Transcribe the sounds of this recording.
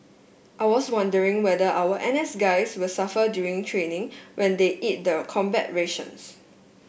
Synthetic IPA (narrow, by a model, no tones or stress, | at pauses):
ʔaɪwɔswãndəɹɪ̃ŋwɛdəʔawəʔɛ̃nɛsɡaɪswɪlsafədjuɹĩŋtʰɹẽnɪ̃ŋwʔɛ̃ndeʔit̚dəkʰɔ̃mbɛ̰t̚ɹeʃə̰̃ns